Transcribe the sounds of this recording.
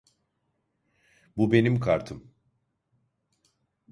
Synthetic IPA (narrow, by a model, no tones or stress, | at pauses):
bube̞nimkʰaɾt̪ʰɯm